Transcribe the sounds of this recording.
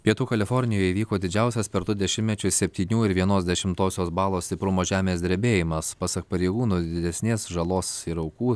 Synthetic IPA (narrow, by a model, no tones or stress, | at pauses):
pʲiɛt̪uːkɐlʲɪfɔɾʲnʲɪjoːjiːʋʲiːkoːd̪ʲɪd͡ʒʲɛˑʊsʲɛspʲɛɾt̪ʊd̪ʲɛʃʲɪmʲnʲɛt͡ʃʲʊsʲɛpʲt̪ʲiːnʲuːɪɾʋʲiɛnoːsd̪ʲɛʃʲɪmt̪oːsʲoːsbɑːlˠoːsʲt̪ʲɪpɾʊmoːʒʲæːmʲeːs̬d̪ʲɾʲbʲeːjɪmɐspɑːsɐk̚pɐɾʲɛɪɡuːnuːd̪ʲɪd̪ʲɛsʲnʲeːsʒɐlˠoːsiɾɐʊkuː